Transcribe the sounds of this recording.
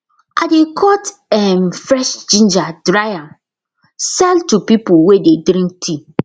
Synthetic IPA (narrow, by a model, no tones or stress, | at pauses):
ʔadekʰɔtɛmfɾɛʃd͡ʒĩnd͡ʒadɾajãn | sɛltupipuwededɾĩŋk̚tʰi